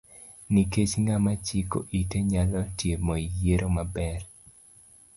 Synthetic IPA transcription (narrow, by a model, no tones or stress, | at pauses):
niket͡ʃŋɡamat͡ʃiko̰ʔiteɲalɔtjemɔijeɾʔomabɛr